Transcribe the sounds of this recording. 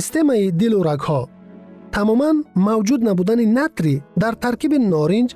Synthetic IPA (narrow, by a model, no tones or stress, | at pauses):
ist̪e̞maid̪iluɾaɡhɔ | t̪ʰamɔmanmawd͡ʒud̪nabud̪aninat̪ɾid̪aɾt̪ʰaɾkibinɔɾind͡ʒ